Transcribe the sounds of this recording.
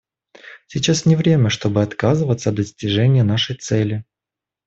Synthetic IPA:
sʲɪt͡ɕasnʲɪvɾʲemʲəʂt̪o̞bɨɐt̪kazɨvət̪səd̪d̪əsʲtʲɪʐɛnʲɪjənaʂəjt̪sɛlʲɪ

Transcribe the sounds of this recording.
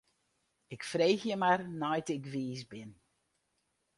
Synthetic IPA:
ɪkfrejxjəmarnɔjtɪkʋiːsbɪn

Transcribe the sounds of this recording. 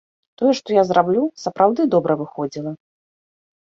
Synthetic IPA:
t̪ɔjɛʂt̪ɔjazɾablʲusɐpɾawd̪ɨd̪ɔbɾɐvɨxɔd͡zʲilˠɐ

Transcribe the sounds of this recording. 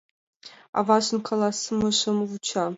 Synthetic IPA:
a̰vaːɕɨnkʰɐlasɨmɐɕɐmwut͡ʃʰaː

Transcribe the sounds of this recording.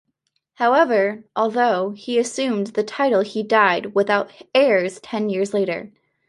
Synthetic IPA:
haʊɛvə˞ʔɔlˠðoʊiɨsʉ̃mðɨtʰaɪɾl̩ˠidaɪd̚wəθaʊɾɛɹz̥tʰɛ̃njɪɹzleɪɾə̰˞

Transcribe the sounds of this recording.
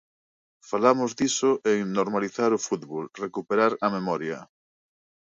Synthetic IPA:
falamʊzðisʊʔeŋnoɾmaliθaɾʊfut̪βolrekupeɾaɾɐmemɔɾjɐ

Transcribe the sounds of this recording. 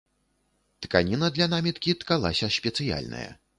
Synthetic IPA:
t̪kanʲinɐd̪lʲɐnamʲit̪kʲit̪kalˠasʲɐsʲpʲɛt̪sɨja̰lʲnɐ̰jɐ̰

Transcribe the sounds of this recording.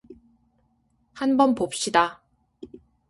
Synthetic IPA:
hanbʌnpop̚ɕ͈ida

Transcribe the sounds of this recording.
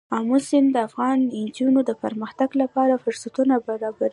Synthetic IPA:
amʊsɪmd̪əafɣɑnɪnd͡ʒunod̪əpəɾməxt̪aɡlapɑɾafʊɾsat̪unabaɾɑbaɾi

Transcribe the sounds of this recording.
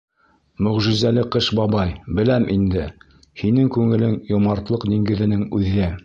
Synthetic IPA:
mɵ̆ʁʒɘ̆zælɘqɤʃbɑbɑjbɘ̆læmʔind̪ɘ | hinɘŋkʉŋɘ̆lɘŋjŏmɑɾt̪lˠɤqd̪iŋɡɘ̆ðɘ̆nɘŋʉðɘ

